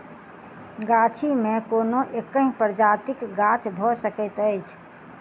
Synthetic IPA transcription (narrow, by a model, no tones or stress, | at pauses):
ɡat͡ʃʰimẽkoːnoʔekːə̃ɦĩpəɾd͡ʒaːt̪ɪkɡaːt͡ʃʰbʱɔsəkət̪əɪt͡ʃʰ